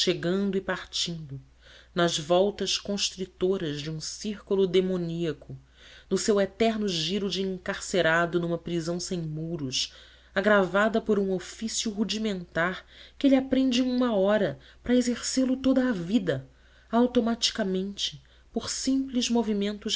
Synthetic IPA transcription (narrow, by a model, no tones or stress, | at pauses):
ʃeɡɐ̃nd̪ʊipaɾt͡ʃĩnd̪ʊ | nɐzvɔwt̪ɐʃkõʃt̪ɾit̪oɾɐzd͡ʒɪũsiɾkulʊd̪emõniɐkʊ | nʊsewet̪ɛɾnʊʒiɾʊd͡ʒɪĩŋkaɾseɾad̪ʊnũmɐpɾizɐ̃w̃sẽj̃muɾʊʃ | aɡɾavad̪ɐpoɾũofisjʊɦud͡ʒimẽnt̪aɾkɪelɪapɾẽnd͡ʒɪũmɐɔɾɐ | pɾɐezeɾselʊt̪od̪ɐːvid̪ɐ | awt̪omat͡ʃi̥kamẽnt͡ʃɪ̥ | poɾsĩmplɪzmovimẽnt̪ʊ